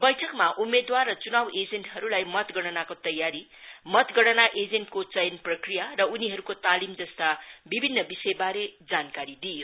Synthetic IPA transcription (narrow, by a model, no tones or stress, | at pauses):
bʌjʈʰʌkmaʔumːed̪warʌt͡sunabed͡zenʈɦʌɾulajmʌt̪ɡʌɽʌnakot̪ʌjːaɾi | mʌt̪ɡʌɽʌnaʔed͡zenʈkot͡sʌjʌnprʌkrijarʌuniɦʌɾukot̪alimd͡zʌst̪abibʱinːʌbisʌjbaɾed͡zankaɾid̪ijo